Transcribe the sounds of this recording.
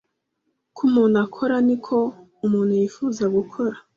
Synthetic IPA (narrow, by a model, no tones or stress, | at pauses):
kʰumuːnakʰo̞ɾanikʰo̞ | umuːn̥hujifuːzaɡukʰo̞ɾa